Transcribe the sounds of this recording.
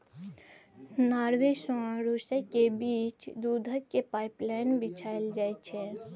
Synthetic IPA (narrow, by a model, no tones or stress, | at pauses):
naːɾwesõɾusəkebiːt͡ʃd̪ud̪ʱəːepaːɪplaɪnbɪt͡ʃʰaɪld͡ʒaːɛt͡ʃʰɛ